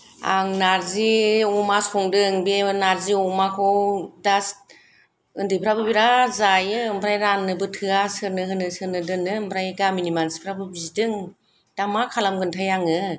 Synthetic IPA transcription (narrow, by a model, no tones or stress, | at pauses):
a̰ŋnaɾziɔmasɔŋdɯŋbenaɾziɔmakʰɔwdas | ɯndɯpʰɾabɯbiɾazajɯmbɾajɾanːɯbɯtʰɯasɯɾnɯɦɯnɯsɯɾnɯdɯnɯmbɾajɡaminimansi̥pʰɾabɯbizidɯŋ | d̥amakʰalamɡɯntʰajaŋɯ